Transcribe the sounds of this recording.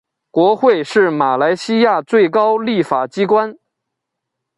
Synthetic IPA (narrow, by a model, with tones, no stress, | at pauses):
kwɔ˧˥xwe˥˧ɪʂɻ̩˥˩ma˨˩la˧˥ɪɕi˥ja˥˧t͡swe˥˩ɪkɑ˥ʊli˥˩fa˨˩t͡ɕi˥kwa˥n